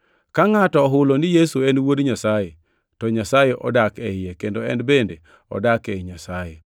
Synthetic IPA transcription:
kaŋatɔːɦʊlonɪjesuenwodɲasaje | tɔɲasajeʔɔ̰dakɛɪjekendoɛnbende | ɔ̰dakɛɲasaje

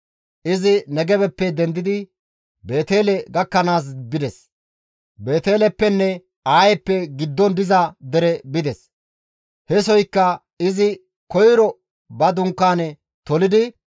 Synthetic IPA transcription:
ʔɪzɪnɛɡɛbɛpːɛd̪ɛnd̪ɪd̪ɪ | be̞ːt̪e̞ːlɛɡɐkːɐnaːs̬bɪd̪ɛs | be̞ːt̪eːlɛpːɛnːɛ | aːjɛpːɛɡɪd̪ːɔnd̪ɪzɐd̪ɛɾɛbɪd̪ɛs | hɛsɔjkːɐ | ɪzɪ | kɔjɾɔ | bɐd̪ʊŋkːaːnɛ | t̪ɔlɪd̪ɪ

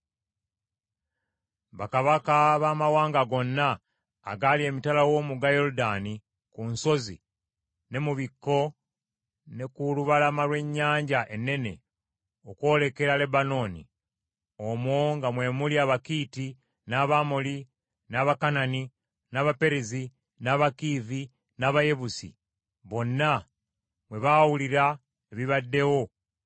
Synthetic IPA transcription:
βakaβakaβaːmawaːŋɡaɡo̞nːa̰ː | ɡalie̞ːmitalawo̞ːmuɡajo̞ɾudani | kunso̞zḭ | ne̞muβikːo̞ | ne̞kuluβalamalwe̞ɲːaːɲɟaʔe̞nːe̞ne̞̰ | oko̞ːle̞ke̞ɾale̞bano̞ːnḭ | omwoŋɡamwe̞muliaβakiːti | naβamoli | naβakanani | naβape̞ɾezi | naβakivi | naβaje̞βusḭ | βo̞nːa | mwe̞βawuliɾa | eβiβadːe̞wo̞

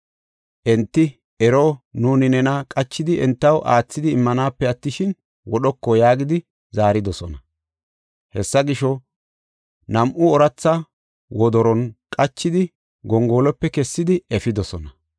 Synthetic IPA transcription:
ʔɛnt̪ːɪ | ɛɾonuːnɪnɛnɐkʼɐt͡ʃːɪd̪ɪɛnt̪ːɐwʔaːt͡sːɪd̪ɪːmːɐnaːpːɛɐt̪ːɪʃɪn | wɔɗɔkːɔjaːɡɪd̪ɪ | zaːɾɪd̪ɔsɔnɐ | hɛsːɐɡɪʃɔ | nɐmʔʊɔɾɐt͡sːɐ | wɔd̪ɔɾɔnkʼɐt͡ʃːɪd̪ɪ | ɡɔŋɡoːlɔpːɛkɛsːɪd̪ɪɛfɪd̪ɔsɔnɐ

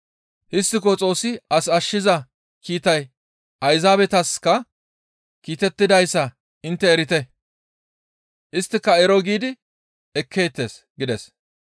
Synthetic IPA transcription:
hɪstːɪk̬ot͡sʼo̞ːsːɪɐsɐʃːɪzɐ | kiːt̪ɐj | ʔɐjzaːbɛt̪ɐskɐ | kiːt̪ɛt̪ːɪd̪ɐjsːɐ | ɪnt̪ːɛːɾɪt̪ɛ | ʔɪst̪ːɪkːɐɛɾɔɡiːd̪ɪ | ɛkʰːe̞ːt̪ːeːsɡɪd̪ɛs

